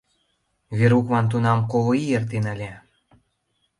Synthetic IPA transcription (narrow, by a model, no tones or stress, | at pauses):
βeɾukβɑnt̪̬unɑmkoβoijert̪enalʲe